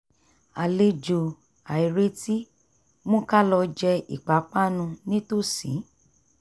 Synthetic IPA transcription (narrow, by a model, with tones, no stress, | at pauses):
a˨le˧d͡ʒo˨ | a˨i˨ɾe˦ti˦ | mõ˦ka˦lɔ˧d͡ʒɛ˧ḭ˨k͡pa˨˦k͡pa˦˨nũ˧nĩ˦to˦˨sḭ̃˨˦